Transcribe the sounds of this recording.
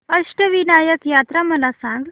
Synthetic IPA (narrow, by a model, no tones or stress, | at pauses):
pəʂʈəʋinajəkjat̪ɾaməlasãŋɡ